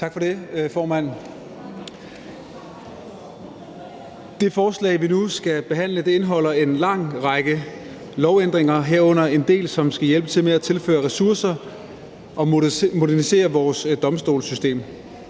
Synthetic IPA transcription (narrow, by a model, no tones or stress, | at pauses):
t͡sʰɑ̈ɡ̥fɒ̽de̝fɒːmæn̰ | d̥e̝fɒːslɛ̰ːɪʋinusɡ̥æb̥e̝ɦæn̰ləd̥e̝e̝nɦɒ̽l̰ɐe̝nlɑ̈ŋ̰ʁɑ̈ɡ̥ə | lɒʊend̥ʁeŋɐɦeɐ̰ɔ̽n̰ɐe̝nd̥e̝̰ːlsɒ̽msɡ̥æjelb̥ət͡sʰe̝lmeæt͡sʰe̝lfø̰ːɐʁɛsuɐsɐ | ʔɒ̽mo̝dæɐnise̝̰ːɐʋɒːsd̥ɒ̽msd̥o̝̰ːlsysd̥e̝̰ːm